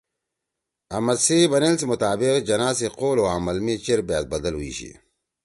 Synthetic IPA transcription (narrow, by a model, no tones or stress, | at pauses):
ɐmɐsiːbɐnels̬imʊt̪aːbɪqd͡ʑɐnaːsiqoːloːaːmɐlmiːt͡ɕeɾbaːt̪̚bɐd̪ɐlɦuḭːɕḭ